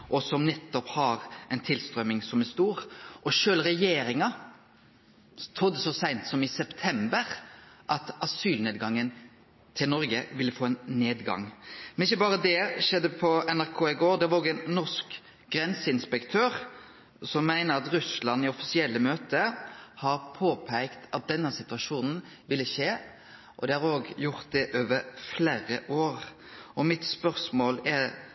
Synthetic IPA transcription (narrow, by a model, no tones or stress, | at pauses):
ʔɔsɔmnɛt̪ːɔphɑɾɛɪnt̪ʰɪlst̪ɾœmːɪŋsɔmæst̪uːɾʔɔʃøːlɾɛjeːɾɪŋɑ | t̪ʰɔd̪ːəsɔsæɪnt̪sɔmɪsɛpt̪ʰɛmbəɾʔɑt̪ɑsyːlneːd̪ɡɑŋːən | t̪ʰɪlnɔɾɡəʋɪlːəfoːɛnneːd̪ɡɑ̰ŋmɛnɪçːəbɑːɾəd̪ɛʃɛd̪ːəpʰɔɛnæɾkʰoːɪɡoːɾd̪ɛʋɑɾoɡɛnnɔʂk | ɡ̥ɾɛnsəɪnspɛkt̪ʰøːʁ | sɔmːæɪnəɾɑt̪ɾʉslɑnɪɔfɪsɪɛlːəmøːt̪əhɑɾpʰoːpʰæɪkt̪ɑt̪̚d̪ɛnːəsɪt̪ʉʋɑʂuːnn̩ | ʋɪlːəʃeː | ʔɔd̪ɛhɑɾoːɡjʊʁt̪̚d̪ɛʔøːʋəɾfleːɾə̰ʔoːɾ | ʔɔmɪt̪spœʁsmoːlɛ